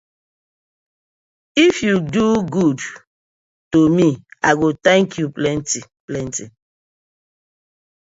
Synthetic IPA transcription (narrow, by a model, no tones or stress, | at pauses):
ifjuduɡud | tomiaɡot̪ɛ̃ŋkʰjuplɛ̃ntiplɛ̃nti